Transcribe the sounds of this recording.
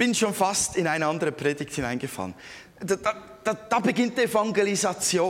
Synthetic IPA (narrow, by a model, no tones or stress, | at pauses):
b̥ɪnʃoːnfastɪnaɪnəandəʁəpʁ̥eːdɪkthɪnaɪnɡəfa̰lən | dd̥a | d̥ad̥abəɡɪnt̚d̥iefaŋɡelizat͡sjoː